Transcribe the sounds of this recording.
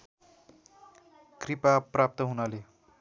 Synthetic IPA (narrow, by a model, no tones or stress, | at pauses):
kripaprap̚t̪ʌɦunale